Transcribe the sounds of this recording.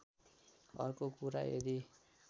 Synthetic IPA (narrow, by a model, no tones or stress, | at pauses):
ʌ̰rkokuɾa̰ḛɾi